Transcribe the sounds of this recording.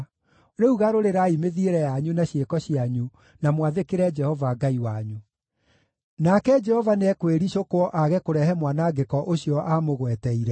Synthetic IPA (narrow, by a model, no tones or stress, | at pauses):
ɾeuɣaɾoɾeɾaimeðieɾɛjaɲunaɕjekɔɕiaɲu | namwaðekeɾɛd͡ʒɛhɔvaɡaiwaɲu | nakɛd͡ʒɛhɔvanɛkweɾiɕokwɔʔaɣɛkoɾɛɦɛmwanaɡekɔʔoɕjɔʔamoɣwɛtɛiɾɛ